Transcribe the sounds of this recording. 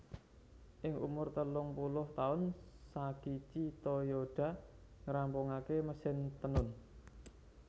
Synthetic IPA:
ʔɪŋʔṵmʊrt̪əlʊŋpulʊht̪aʊn | saɡ̥it͡ʃit̪ojoɖ̥a̤ | ŋəɾampʊŋakeməsɪnt̪ənʊn

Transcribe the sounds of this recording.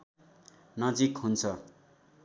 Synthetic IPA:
nʌd͡zikɦunt͡sʰʌ

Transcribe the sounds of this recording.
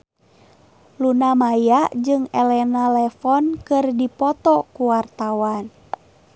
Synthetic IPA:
lunamajaʔd͡ʒɨŋɛlɛnalɛfɔnkɨrdipɔt̪ɔkuwart̪awan

